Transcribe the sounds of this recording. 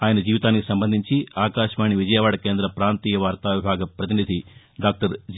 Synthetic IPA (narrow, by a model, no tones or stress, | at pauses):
aːjɐnɐd͡ʒiːʋit̪aːnikisɐmbɐnd̪ʱiɲt͡ʃiaːkaːʃɐʋaːɳiʋid͡ʒɐjɐʋaːɽɐke̞ːnd̪ɾɐpɾaːnt̪iːjɐʋaːɾt̪aːʋibʱaːɡɐpɾɐt̪̬inid̪ʱi | ɖaːk̚ʈɐɾd͡ʒ